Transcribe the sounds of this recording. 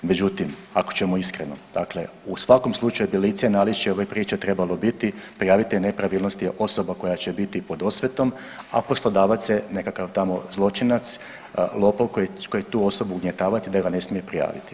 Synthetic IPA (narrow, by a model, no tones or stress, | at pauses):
me̞d͡ʑut̪imako̥t͡ɕemoiskɾeno̞̰d̪̥akle̞̰ | usʋako̞mslˠut͡ʃajubilit̪senalit͡ʃioʋapɾiːt͡ʃet̪ɾe̞balo̞bit̪ipɾijaːʋit̪ijnepɾaʋiːlˠno̞st̪iʔo̞so̞bako̞jat͡ɕebit̪ipo̞d̪o̞sʋet̪o̞m | a̰po̞slˠo̞d̪aːʋat̪sjene̞kakaʋt̪amo̞̰zlˠo̞t͡ʃinat̪s | lˠo̞pokokojet̪uːo̞so̞buːuɡɲe̞t̪aːʋat̪id̪aɡane̞smije̞pɾija̰ːʋḭt̪i̥